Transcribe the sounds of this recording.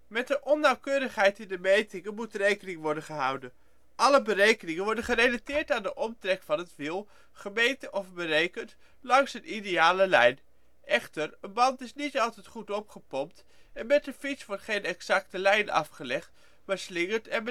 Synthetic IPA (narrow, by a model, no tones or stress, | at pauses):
mɛt̚dəʔɔnːɑwkøːɾəχɦɛjtɪndəmejtɪŋəmutrejkənɪŋʋɔɹdənχəɦʌwdən | ʔɑləbərejkənɪŋənʋɔɹdənχərejlatɪːɹtaːndəʔɔmtrɛkfɑnɦətʋɪlˠ | χəmejntəʔɔfbərejkənt | lɑŋsənʔidejaːləlɛjn | ʔɛχtəɹənbɑntɪsnitɑlˠtɛjtχutɔpχəpɔmt | ɛnmɛt̚dəfitsʋɔɹtχejnɛksɑk̚təlɛjnɑ̰fχəlɛχt | maːɹslɪŋəɹtɛn